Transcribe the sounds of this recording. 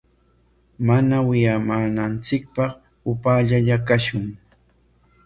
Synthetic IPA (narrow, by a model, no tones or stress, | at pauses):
manawɪjamaːnant͡sɪk̚pɑχ | ʊpaːʎaʎakaʃʊŋ